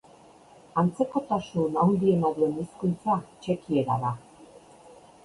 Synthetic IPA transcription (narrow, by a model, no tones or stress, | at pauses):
ant͡se̞ko̞t̪asunawnd̪ie̞naðue̞niskunt͡sat͡ʃe̞kie̞ɾa̰ða